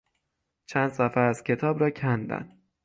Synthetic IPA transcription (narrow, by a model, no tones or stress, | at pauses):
t͡ʃʰænd̪̥sæfæːz̥cʰe̞t̪ʰɒːbɾɒːcʰænd̪æ̰n